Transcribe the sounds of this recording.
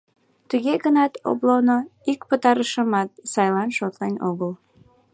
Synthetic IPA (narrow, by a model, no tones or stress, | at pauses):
t̪uɣeɣənɑt̪o̰blonoikpət̪ɑɾəʃəmɑt̪̚sɑjlɑnʃot̪lenoɣəl